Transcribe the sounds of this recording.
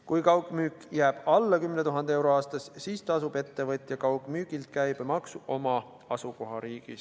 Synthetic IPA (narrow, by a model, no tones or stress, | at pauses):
kujkɑwkmyːkˑjæːb̥ɑlːɑkymnet̪uɦɑnd̪ee̞wɾo̞ɑːst̪ɑssiːst̪ɑsub̥e̞t̪ːe̞vɤt̪ʲˑjɑkɑwkˑmyːɡilt̪kæjb̥emɑksuo̞mɑ | ɑsuko̞ɦɑɾiːɡ̥ḭs